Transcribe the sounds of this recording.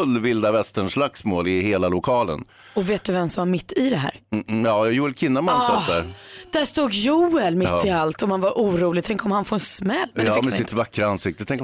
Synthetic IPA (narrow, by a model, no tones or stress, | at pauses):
ɵlːvɪld̪avɛst̪əɳʂlaksmoːlɪheːlalʊkʰɑːlə̰n | ɔveːt̪̚d̪ɵvɛmsɔmvaɾmɪt̪ʰːɪd̪ɛɦæ̰ːɾjɑːjuːɛlkʰɪnːamansɔːd̪æɾd̪̥æʂt̪uːɡjuːɛlmɪt̪ːɪalt̪ɔmhanvaɾʔuːɾuːlɪt̪ʰɛŋkɔmhanfoːɛnsmɛlːmɛːmɛnɪnt̪əvakːɾaansɪk̚t̪ət̪ʰɛŋk